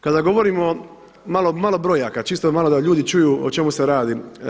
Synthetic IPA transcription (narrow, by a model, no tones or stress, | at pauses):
kad̪aɡo̞ʋoɾiːmo | malo̞malo̞bɾojaːkat͡ʃiːst̪omalod̪aʎuːd̪it͡ʃujuːo̰t͡ʃe̞museɾaːd̪i